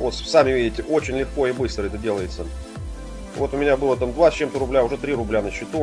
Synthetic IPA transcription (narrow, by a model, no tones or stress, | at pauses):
vo̞t̪samʲɪvʲidʲɪtʲɪʔo̞t͡ɕɪnʲlʲɪxko̞ɪbɨst̪ɾəɛt̪ədʲe̞lˠəjɪt̪sə | vo̞t̪ʊmʲɪnʲabɨlˠət̪amd̪vat͡ɕːemt̪əɾʊblʲaʊʐɛt̪ɾʲiɾʊblʲanəɕːɪt̪u